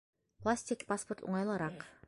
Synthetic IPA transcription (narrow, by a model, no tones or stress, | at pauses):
plˠasʲt̪ʲɪkpasport̪ṵɴɑjlˠɑɾɑq